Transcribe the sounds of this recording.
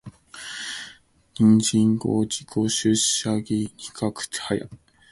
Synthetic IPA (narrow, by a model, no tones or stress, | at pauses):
ɲʲĩnd͡ʑĩŋɡoːd͡ʑikʰoɕɨɕaɡʲinikʰakɯ̟̥t̪haja̰